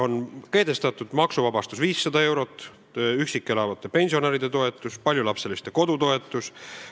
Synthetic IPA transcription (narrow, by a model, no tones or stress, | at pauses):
o̞nke̞ːd̪e̞st̪ɑt̪ːˑud̪̥mɑksuvɑbɑst̪usviːsːɑd̪ɑe̞wɾo̞t̪ːˑ | yksikːˑelɑvɑt̪ːˑe̞pe̞nʲsio̞neɾid̪et̪o̞e̞t̪ːˑuspɑlʲjulɑpse̞list̪e̞ko̞d̪ut̪o̞e̞t̪ːˑus